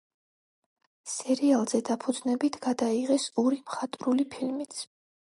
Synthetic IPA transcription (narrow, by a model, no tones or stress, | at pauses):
sɛɾialˠz̥ɛd̪apʰud̪znɛbit̪ʰɡ̥ad̪aiʁɛsɔɾimχat̪ʼɾulipʰilmit̪sʰ